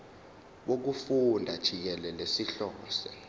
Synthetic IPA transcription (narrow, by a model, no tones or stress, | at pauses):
ɓok̬ufundʱad̥ʒ̥ʱik̬ɛlɛlesiɬɔːsɛ